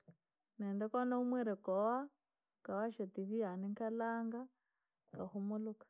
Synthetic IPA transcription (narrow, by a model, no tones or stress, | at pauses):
nɛndɛkɔnaumwɛɾɛkɔwa | kawaʃatiβianiŋkalaːŋɡa | kahumʊlukḁ